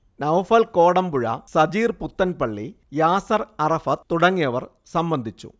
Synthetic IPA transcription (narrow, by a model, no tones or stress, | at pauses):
nɐwfɐlko̞ːɽɐmbuɻɐ̰sɐd͡ʑiːrput̪ːɐnpɐɭːi | jaːsɐrɐrɐfɐt̪ːuɽɐŋːijɐʋɐr | sɐmbɐnd̪ʱit͡ɕːṵ